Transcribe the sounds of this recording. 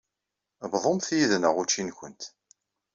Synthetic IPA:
bðˤomθjiðnəʁut͡ʃːinkʷənt̪

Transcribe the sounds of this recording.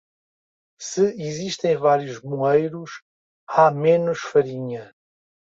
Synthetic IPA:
sɨiziʃt̪ẽj̃vaɾjuʒmuejɾuʃ | amenuʃfɐɾiɲɐ

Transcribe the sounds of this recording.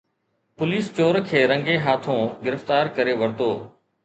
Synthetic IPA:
pʊliːst͡ʃoːɾkʰeːɾə̃ŋɡeːɦaːt̪ʰõːɡɪɾəft̪aːɾkəɾeːʋəɾt̪oː

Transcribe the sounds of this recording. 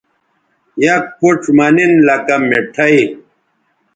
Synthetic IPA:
jɐk̚pʰuʈ͡ʂmɐninlɐkɐmːeʈʰɐi

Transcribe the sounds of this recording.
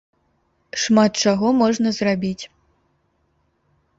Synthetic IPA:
ʂmat̪̚t͡ʂaɣɔmɔʐnɐzrabʲit͡sʲ

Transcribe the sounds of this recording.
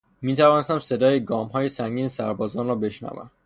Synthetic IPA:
miːt̪ʰævɒːnest̪æmse̞d̪ɒːjeɡɒːmɦɒːje̞sæŋɟiːnesæɾbɒːzɒːnrɒːbe̞ʃnæ̰væ̰m

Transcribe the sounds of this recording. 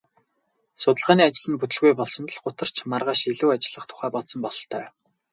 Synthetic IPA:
sʊt̪ə̆ɮʁaːniːat͡ɕɪ̆ɮə̆nput̪ɵ̆ɮɣujpɔɮsɞ̆nt̪̆ɮɢʊt̪ə̆r̥t͡ɕʰmarʁaːʃiɮuːat͡ɕɪ̆ɮə̆χt̪ʰʊ̥χæːpɔɮsɞ̆mpɔɮ̆ɬt̪ʰœː

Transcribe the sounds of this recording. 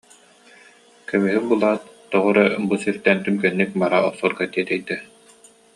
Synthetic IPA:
kɛmyɦibulˠaːt̪ːɔʁɔɾabusiɾt̪ɛnt̪ymkɛnːik̚baɾaɔsuɾɡat̪iɛt̪ɛjt̪ɛ

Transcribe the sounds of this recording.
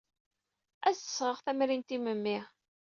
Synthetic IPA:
æsə̥sːʁəʁθæmɾint̪iməmːi

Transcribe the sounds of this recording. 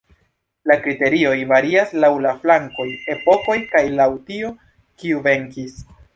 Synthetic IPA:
lakɾite̞ɾio̞jvaɾiaslawlaflaŋko̞je̞po̞ko̞jkajlawtio | kiuve̞ŋkis

